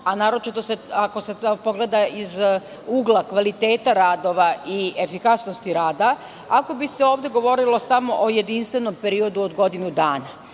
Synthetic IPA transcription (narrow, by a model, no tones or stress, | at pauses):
anaːɾo̞t͡ʃit̪o̞seako̞se̞po̞ɡle̞d̪aiz | uɡlˠakʋalit̪e̞ːt̪aɾaːd̪o̞ʋaʔie̞fikasnost̪iɾaːd̪a | ako̞bise̞o̞ːʋd̪e̞ɡo̞ʋo̞ɾilo̞samo̞ʔoje̞d̪inst̪ʋe̞no̞mpe̞ɾio̞d̪uod̪ɡo̞d̪inud̪aːna